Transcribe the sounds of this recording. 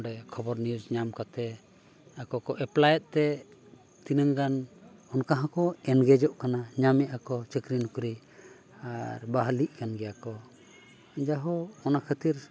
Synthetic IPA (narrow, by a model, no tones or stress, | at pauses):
ɖɛkʰɔbɔɾniud͡ʒɲamkat̪ɛ | akɔkɔʔɛplajɛt̪̚t̪ɛ | t̪inəŋɡanɔnkaɦãkɔɛnɡɛd͡ʒɔʔkanaɲamɛʔakɔt͡ʃəkɾinukɾi | aɾbaɦliʔ̚ˀkanɡɛjakɔ | d͡ʒaɦɔɔnakʰət̪iɾ